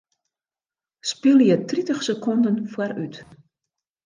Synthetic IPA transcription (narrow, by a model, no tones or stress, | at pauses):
spɪlˠjətritəχsəkʰɔndənfwaɾyt